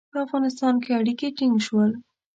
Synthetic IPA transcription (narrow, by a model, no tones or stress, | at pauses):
pəafɣɑnɪst̪ɑnkeaɽikeʈɪŋɡʃwəl